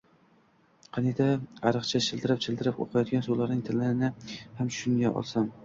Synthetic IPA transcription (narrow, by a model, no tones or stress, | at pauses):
qʰɑnɪd̪aaɾɨqt͡ʃʰaʃʰɪlˠd̪ɪɾɪp̚t͡ʃʰɪld̪ɪɾɪpo̰qʰɑjɒt̪̚ɡʲansulaɾnɪŋt̪ʰɪlɪɾɪnɪhamʰʃʃʊnɡʲaʔɒ̰lˠsam